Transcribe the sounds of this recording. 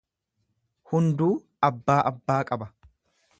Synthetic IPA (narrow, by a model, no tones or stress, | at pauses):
hʊnd̪uː | ɐbːaːʔɐbːaːkʼɐbɐ